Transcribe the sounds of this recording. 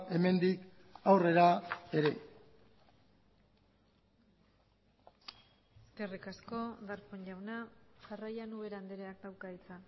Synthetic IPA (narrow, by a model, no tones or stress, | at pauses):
e̞me̞nd̪ik | awre̞ɾae̞ɾe̞ | eske̞rikasko̞ðaɾpoɲʎawnaʝarajanuβe̞ɾand̪eɾeakd̪awkait͡sa